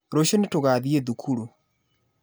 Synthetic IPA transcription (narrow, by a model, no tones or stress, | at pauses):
ɾoɕenetoɣaːðieðukʰuɾu